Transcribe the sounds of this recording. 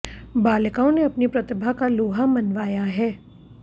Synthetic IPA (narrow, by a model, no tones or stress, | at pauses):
baːləkaõneɐpnipɾɐt̪ɪbʱakaloːɦamɐnʋaːjaɦɛː